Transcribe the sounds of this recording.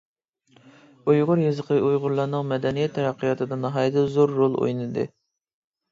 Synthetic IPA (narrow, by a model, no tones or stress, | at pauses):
ujʁʊɾjezəqʰəʔujʁʊɾlˠɑɾnɨŋmɛd̪ɛnijɛt̪ʰːɛɾæqʰːijɑːt̪ʰɨd̪ɑnɑɦɑjd̪ɨzoɾːolˠo̰jnɨd̪ɨ̰